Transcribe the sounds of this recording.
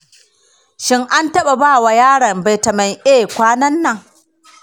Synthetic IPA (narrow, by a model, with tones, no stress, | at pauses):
ʃɪ˦ŋʔa˦ntɐ˦ɓa˨baː˦˨wa˨jaː˦ɽɐ˨mba˨jtɐ˨ma˨jʔeː˦˨kʷaː˦nɐ˦nːɐ˨ŋ